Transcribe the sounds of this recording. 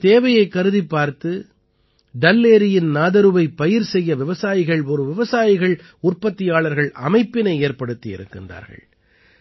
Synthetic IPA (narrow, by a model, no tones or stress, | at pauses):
t̪eːʋɐjɐɪkːɐɾɯðipːaːɾt̪ɯ | ɖɐlːeːɾɪjɪnnaːðɐɾɯʋɐɪpːɐjɪɾsɛjːɐʋɪʋɐsaːjɪɣɐɭɔɾɯʋɪʋɐsaːjɪɣɐɭ | ʊrpɐt̪ːɪjaːɭɐɾɣɐɭʔɐmɐɪpːɪnɐɪeːɾpɐɽɯt̪ːɪɪ̰ɾɯ̰kːɪndra̰ːɾɣɐ̰ɭ